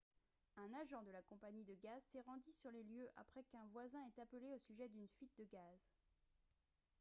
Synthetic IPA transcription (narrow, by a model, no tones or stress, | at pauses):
ɛ̃naʒɑ̃d̪əlakɔ̃paɲid̪əɡazsɛʁɑ̃d̪isyʁleljøʔa̰pχɛkɛ̃vwazɛ̃ɛt̪apleosyʒɛd̪ynfɥit̪̚d̪əɡaz